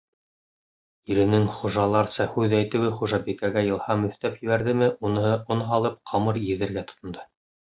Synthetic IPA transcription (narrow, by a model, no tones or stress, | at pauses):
iɾɘ̆nɘŋχuʒɑlˠɑɾsɑhʉðæjt̪ɘ̆wɘχuʒɑbikæɡæjɤ̆lˠhɑmɵ̆θt̪æpjɘ̆βæɾðɘmɘʔunɤonɦɑlˠɤp̚qʰɑmɤɾjɘ̆ðɘ̆ɾɡæt̪ŏ̥t̪ŏnd̪ɤ